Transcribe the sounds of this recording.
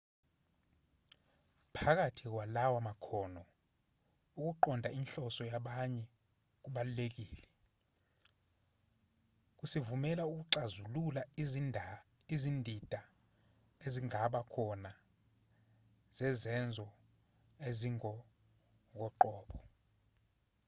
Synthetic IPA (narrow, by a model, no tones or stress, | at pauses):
pʰak̬atʰik̬walawamakʰɔːnɔ | uk̬ʼuǃɔndʱainɬɔsɔjaɓaɲɛ | k̬uɓalulek̬iːlɛ | k̬ʼusivumɛlauk̬uǀazululaiinizindʱid̥ʱa | eziŋaɓakʰɔna | z̥ɛzɛnd͡zʱɔ | eziŋɔ | k̬ɔǃɔːɓɔ